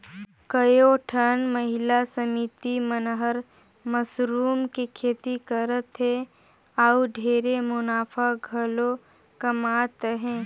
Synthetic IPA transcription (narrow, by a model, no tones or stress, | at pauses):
kəjoʈʰənməɦɪlasəmiːt̪imənɦəɾ | məsɾuːmkekʰeːt̪ikəɾət̪ɦɛ̃ | auɖʱeːɾemʊnaːfʰaɡʱəlo | kəmaːt̪ɦɛ̃ː